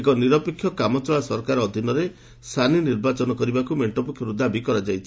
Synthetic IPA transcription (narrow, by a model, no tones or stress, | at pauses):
ekɔniɾɔpekʰːjɔkamɔt͡ʃɔɭasɔɾɔkaɾɔːd̪ʱinɔɾe | st̪ʰaniniɾbat͡ʃɔnɔkɔɾibakumeɳʈɔpukʰjɔɾud̪abikɔɾad͡ʒajt͡ʃʰi